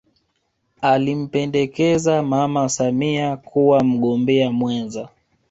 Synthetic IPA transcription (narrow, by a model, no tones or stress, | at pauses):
alim̩pɛndɛkɛzamamasamiakuwam̩ɠɔmbɛamwɛnza